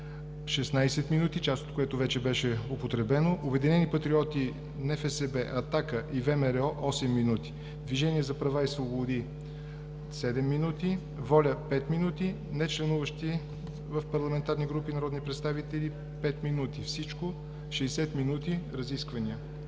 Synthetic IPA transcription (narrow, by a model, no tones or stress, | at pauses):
ʃɛsnajsɛt̪minut̪it͡ʃast̪ot̪koɛt̪ʊvɛt͡ʃɛbɛʃɛopot̪ɾɛbɛnoʔobɛd̪inɛnipɐt̪ɾiɔt̪i | nɛfɛsɛbɛʔɐt̪akəʔivɛmɛɾɛɔʔɔsɛmːinut̪i̥ | d̪viʒɛniɛzɐpɾɐvaisvobod̪i | sɛd̪ɛmːinut̪i | vɔlʲəpɛt̪minut̪i | nɛt͡ʃlɛnuvəʃt̪i | vəfpɐɾlˠɐmɛnt̪aɾniɡɾupinɐɾɔd̪nipɾɛt̪st̪avit̪ɛli | pɛt̪minut̪ifsit͡ʃko | ʃɛjsɛt̪minut̪iɾɐziskvɐniə